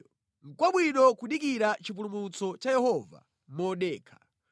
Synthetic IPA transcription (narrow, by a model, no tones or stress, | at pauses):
ŋ̩kwaɓwinɔkuɗik̬iɾat͡ʃip̬ulumut͡sɔt͡ʃajɛɦɔːva̰ | mɔɗɛːkʰḁ